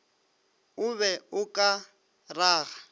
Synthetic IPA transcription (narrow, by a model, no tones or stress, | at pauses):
ʊβɛʊkʼa | raːɣa